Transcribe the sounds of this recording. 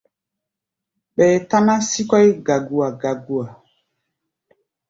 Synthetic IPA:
ɓɛː˨ta˦na˦si˦kɔ˦i˦ɡa˨ɡu˨a˨ɡa˨ɡu˦a˨

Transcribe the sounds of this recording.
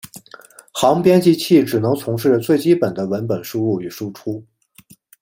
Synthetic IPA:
xɑ˧˥ŋpjɛ˥nt͡ɕi˥t͡ɕʰi˥˩ʈ͡ʂɻ̩˨˩nɤ˧˥ŋt͡sʰʊ˧˥ŋʂɻ̩˥˩t͡swe˥˩ɪt͡ɕi˥pə˨˩nd̪ə˦wə˧˥npə˨˩nʂu˥u˥˩y˨˩ʂu˥ʈ͡ʂʰu˥

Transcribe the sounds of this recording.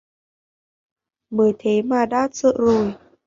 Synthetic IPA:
mɨː˨˩˦jt̪ʰe˨˦maː˨˩ɗa̰ː˧˥sə̰˧˨zo˨˩j

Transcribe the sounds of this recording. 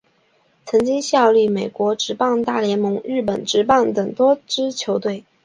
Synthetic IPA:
t͡sʰɤ˧˥ŋt͡ɕi˥ŋɕjɑ˥˧ʊly˥˩me˨˩ɪkwɔ˧˥ʈ͡ʂɻ̩˧˥pɑ˥˧ŋt̪a˥˩ljɛ˧˥nmɤ˧˥ŋɻɻ̩˥˩pə˨˩nʈ͡ʂɻ̩˧˥pɑ˥˩ŋt̪ɤ˨˩ŋt̪wɔ˥ʈ͡ʂɻ̩˥t͡ɕʰjo˧˥ʊt̪we˥˩ɪ

